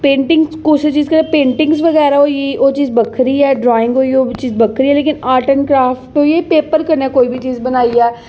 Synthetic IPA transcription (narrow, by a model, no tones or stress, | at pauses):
pẽːɳʈɪ̃ŋɡskʊset͡ʃiːzkəɾeːpẽːɳʈɪ̃ŋɡzʋəɣɛːɾaoiiʔoːt͡ʃiːzbəkʰɾiːɛːɖɾɔːɪ̃ŋɡɦoːioːt͡ʃiːzbəkʰɾiɛːleːkɪnaːʈənkɾaːfʈoːiepeːpəɾkəɾneːkoːibʱit͡ʃiːzbənaːiɛː